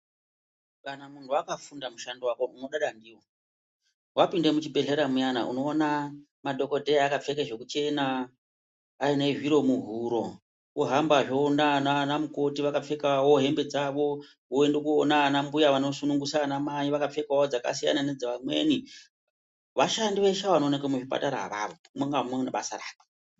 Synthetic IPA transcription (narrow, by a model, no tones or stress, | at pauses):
kanamun̤uakafundamuʃandiwako̞ʔuno̞ɗaɗandiːwo | wapinde̞mut͡ʃibʱe̞ɮe̞ɾamujana̰ʔṵno̞ːna | madʱo̞ko̞dʱejaakap͡fe̞keʐe̞kut͡ʃe̞naː | ine̞ʐiɾo̞muɦuɾo̞ | kuɦambaʐoːnananamuko̞tiʋakap͡fe̞kawo̞ɦe̞mbe̞d͡zaʋo̞ | ɦoendekuonanambujaʋano̞sunuŋɡusanamajiʋakap͡fe̞kaod͡zaka̰s̬ija̰naned͡zeʋamwe̞̰ːni | ʋaʃandiʋe̞ʃaʋanonekemuʐipa̰taɾaa̰ʋa̰ːʋo | mwaŋɡamonaɓa̰sa̰ɾa̰ːke̥